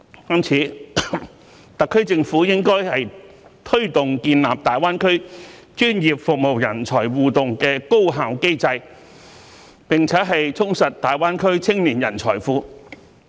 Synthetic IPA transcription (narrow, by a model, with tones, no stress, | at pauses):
kɐ˥mt͡sʰiː˨˥ | t̪ɐ˨kʰːɵ˥ɥt͡sɪ˧ŋfuː˨˥jɪ˥ŋkɔː˥jhɐ˨j | t̪ʰɵ˥ɥt̪ʊ˨ŋkiː˧nla̰ː˨˩p̚t̪aː˨jwaː˥nkʰɵ˥ɥ | t͡ʃyː˥njiː˨p̚fʊ˨k̚mo˨wjɐ˨˩nt͡ʃʰɔː˨˩jwuː˨t̪ʊ˨ŋkɛː˧ko˥wɦaː˨wke˥jt͡sɐ˧j | pɪ˨ŋt͡sʰɛː˨˥ɦɐ˨jt͡sʰʊ˥ŋsɐ˨t̚t̪aː˨jwaː˥nkʰɵ˥ɥt͡sʰɪ˥ŋniː˨˩njɐ˨˩nt͡sʰɔ̰ː˨˩jfuː˨˧